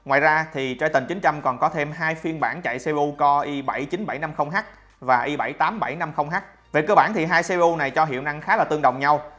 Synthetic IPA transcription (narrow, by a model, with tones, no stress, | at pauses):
ŋwa̰ː˧˨jzaː˧t̪ʰi˨˩t͡ɕa˧jt̪ï˨˩ŋ̟t͡ɕï˨˦ŋ̟t͡ɕa˧mkɔ˨˩nkɔ˨˦t̪ʰe˧mɦaː˧jfi˧ənɓaː˧˩nt͡ɕa̰˧˨jse˧ʔu˧kɔ˧ʔi˧ɓa˧˩jt͡ɕi˨˦nɓa˧˩jna˧mxə˧wŋ͡mɦaː˦˥k̚ | vaː˨˩ʔi˧ɓa˧˩jt̪aː˨˦mɓa˧˩jna˧mxə˧wŋ͡mɦaː˦˥k̚ | ve˨˩kəː˧ɓaː˧˩nt̪ʰi˨˩ɦaː˧jse˧ʔu˧na˨˩jt͡ɕɔ˧ɦḭ˧˨əwna˧ŋxaː˨˦laː˨˩t̪ɨ˧əŋɗə̰˧˨wŋ͡mɲa˧w